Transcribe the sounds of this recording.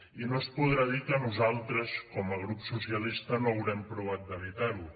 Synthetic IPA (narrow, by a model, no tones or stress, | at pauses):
inospuð̞ɾaðikənuzalˠt̪ɾəskɔməɣ̞ɾupsusiəlist̪ənoəwɾɛmpɾuβ̞at̪̚d̪əβit̪aɾu